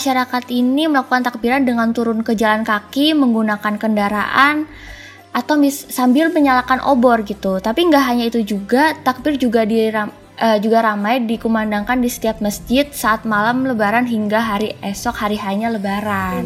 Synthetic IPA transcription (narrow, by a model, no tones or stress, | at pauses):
maʃaɾakat̪iniməlakukant̪ak̚biɾandəŋant̪uɾʊnkəd͡ʒalankakiməŋɡunakankəndaɾaʔan | ʔat̪awmisambɪlməɲalakanʔo̰bɔrɡit̪ut̪apiəŋɡaʔɦaɲait̪ud͡ʒuɡat̪ak̚bɪrd͡ʒuɡadira | əd͡ʒuɡaɾamajdikumandaŋkandisə̥t̪iap̚məsd͡ʒɪt̪̚saʔːt̪̚malamləbaɾanɦiŋɡaɦaɾiʔɛsɔk̚haɾiɦaiɲaləbaɾan